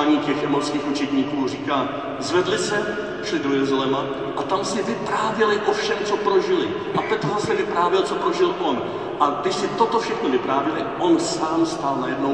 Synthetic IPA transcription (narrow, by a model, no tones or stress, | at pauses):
aɲiːcɛxɛmoskiːxut͡ʃɛdɲiːkuːriːkaː | zvɛdlɪsɛ | ʃlɪdojɛzalɛma | ʔat̪amsɪvɪpɾaːvjɛlɪʔofʃɛmt͡so̞pɾo̞ʒɪlɪ | ʔapɛt̪ɦosɛvɪpɾaːvjɛlt͡so̞pɾo̞ʒɪlʔo̞n | ʔaɡdɪʃsɪt̪o̞t̪o̞fʃɛxno̞vɪpɾaːvjɛlɪʔo̞nsaːmst̪alnajɛdno̞